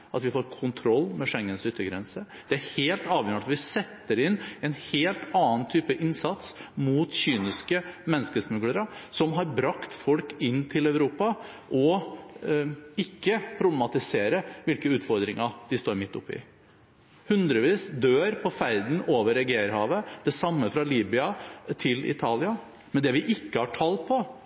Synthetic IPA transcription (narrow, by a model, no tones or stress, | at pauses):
ʔɑt̪ʋɪfoːɾkʰʊnt̪ʰɾɔlːmɛʂɛŋːənsʏt̪ːəɡɾɛnsə | d̪̥ɛæɾheːlt̪ɑːʋjɾəɑt̪ʋɪsɛt̪ːəɾɪnɛnheːlt̪ɑːənt̪ʰyːpəʔɪnsɑt̪smuːt̪çyːnɪskəmɛnːəskəsmʉɡləɾəsɔmɦɑɾbɾɑkt̪fɔlkɪnːt̪ʰɪlœʉɾuːpɑ | ʔɔ | ɪkːəpʰɾʊblɛmɑt̪ɪseːɾəʋɪlkəʉːt̪fɔɾd̪ɾɪŋɑd̪̥ɪst̪oːɾmɪt̪ːʊpːɪ̰ | hʉnd̪ɾəʋiːsd̪øːɾpʰɔfæɾd̪n̩oːʋəɾɛɡeːɾɦɑːʋəd̪̥ɛsɑmːəfɾɑliːbʏɑt̪ʰɪlɪ̰t̪ʰɑːlɪɑ | mɛnd̪ɛʋɪʔɪkːəhɑʈʰɑlːpʰɔ